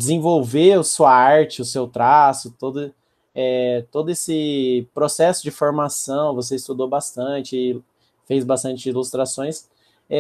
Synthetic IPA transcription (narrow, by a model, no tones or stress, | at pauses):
d͡ʒɪzẽvowveʊsuɐaɾt͡ʃɪʊsewt̪ɾasʊt̪od̪ʊ | ɛt̪od̪ʊesɪpɾosɛsʊd͡ʒɪfoɾmasɐ̃w̃vos̬eist̪ud̪obast̪ɐ̃t͡ʃɪ | fejzbast̪ɐ̃nt͡ʃɪilust̪ɾasõj̃s | ɛ